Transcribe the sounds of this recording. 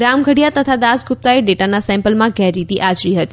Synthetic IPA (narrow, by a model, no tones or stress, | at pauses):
ɾamɡʱəɽijat̪ət̪ʰad̪asɡʱʊp̚t̪aeɖeʈanasɛ̃mpəlmãɡɛɾit̪iʔad͡ʒɾiɦət̪i̥